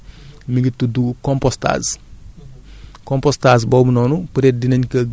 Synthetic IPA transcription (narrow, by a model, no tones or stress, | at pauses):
miɡitːudukɔmpɔsta̰ːs | kɔmpɔstaːzbɔːbunɔːnupɾɛt̚dinɐɲkɐɡ